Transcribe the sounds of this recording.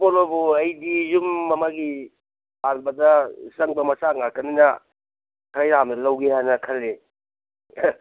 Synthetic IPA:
polobuɐjdizumːɐmaɡi | balbɐdɐsɐŋbɐmɐsaŋaɾkɐninɐ | kʰɐɾajɾamdlɐwɡehajnɐkʰɐlːe

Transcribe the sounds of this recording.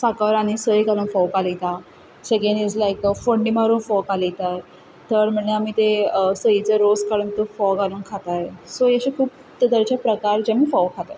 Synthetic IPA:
sakəɾaɽ̃isəikalũːnfɔwkalit̪a | sekẽnid͡zlajkfoɳɖimaɾuːnfɔkalit̪aj | t̪əɾm̤əɳeamiːt̪esəit͡səɾoskaɽuːnt̪əfɔkaluːnkʰat̪ajsojeɕekʰuːp | t̪əd̪əɾt͡ɕapɾəkaɾd͡ʑamiːfɔʋkʰat̪a

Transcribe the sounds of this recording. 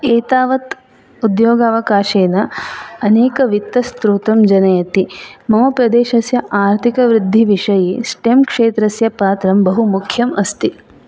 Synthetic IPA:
eːt̪aːʋɐt̪ | ud̪joːɡaːʋɐkaːʃeːnɐɐneːkɐʋit̪ːɐst̪ɾuːt̪ɐmd͡ʒɐnɐjɐt̪imɐmɐpɾɐd̪eːʃɐsjɐʔaːɾt̪ʰikɐʋɾɪd̪ʱːiʋiʂɐjesʈemkʂeːt̪ɾɐsjɐpaːt̪ɾɐmbɐɦumukʰjɐmɐst̪i

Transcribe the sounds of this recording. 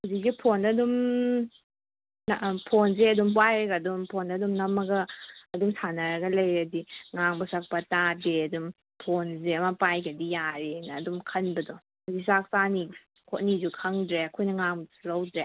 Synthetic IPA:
wzik̚ɡipʰonɐdum | npʰonzeɐdumbajɾeɡadumpʰonɐdumnɐmɐɡɐːdumsʰanɐɾɐɡɐlɐjɾɐdiŋaŋbɐsak̚pɐtadeɐdum | pʰonzeɐmɐpajɡɐdijaɾenɐːdumkʰɐnbɐdɔ | zisak̚sani | kʰot̚nizukʰɐŋdɾeɐkʰojnɐŋaŋblɐwdɾe

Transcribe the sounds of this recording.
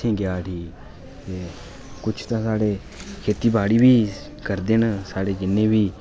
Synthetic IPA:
ĩːɡjaːʈʰiː | t̪eː | kʊt͡ʃʰt̪ãːsaːɽeː | kʰeːt̪iːbaːɽiːbiː | kəɾd̪ensaːɽeːd͡ʒɪnːẽːʋiː

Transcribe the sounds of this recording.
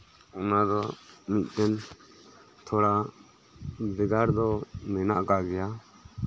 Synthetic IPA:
ɔnad̪ɔmit̪̚ˀt̪ɛn | t̪ʰɔɽa | bɛɡaɾd̪ɔmɛna̰ʔkaɡɛja

